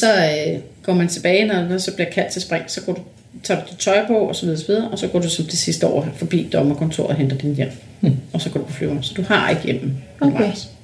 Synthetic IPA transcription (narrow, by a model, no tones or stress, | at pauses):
sɒ̽øɡ̥ɒ̰ːmænt͡sʰe̝b̥ɛːɪnɒnsɒ̽b̥liɐ̥kʰæl̰d̥t͡sʰe̝lsb̥ʁɛŋ̰sɒ̽ɡ̥ɒ̰d̥u | t͡sʰɑ̈ːd̥ud̥id̥t͡sʰɒ̽ɪpʰɒ̽ɒsɒ̽ʋið̞ˠːsɒʋið̞ˠɐʔɒ̽sɒ̽ɡ̥ɒ̰ːd̥usɒ̽md̥isisd̥əɒ̰ːfɒ̽b̥ḭːd̥ɒ̽mɐkʰɔ̽nt͡sʰo̝̰ɐ̰ðˠend̥ɐd̥injem̰ | ɒsɒɡ̥ɒ̰ːdupʰɒ̽flyːʊɐnsɒ̽d̥uhɑ̈eɡ̥jem̰m̩ | nʋɑɪs